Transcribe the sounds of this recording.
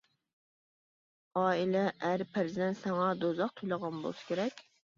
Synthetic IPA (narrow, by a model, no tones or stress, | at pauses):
ɑːilɛʔæɾpʰæɾzɛnsɛŋɑd̪ozɑq̚t̪ʰujlˠəʁɑnbo̰lˠsɨ̥kʲʰeɾɛkʲ